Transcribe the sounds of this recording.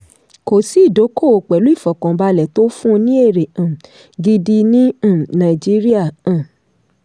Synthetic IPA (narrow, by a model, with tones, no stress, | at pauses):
ko˨si˦˨do˨˦ko˦˨o˨k͡pɛ˨lu˨˦i˦˨fɔ˨kɔ̃˨ba˧lɛ˨to˦fũ˦˧nĩ˦e˦˨ɾe˨ã˨ | ɡi˧di˧nĩ˦˨nã˨i˨d͡ʒi˦ɾi˦a˦˨ã˨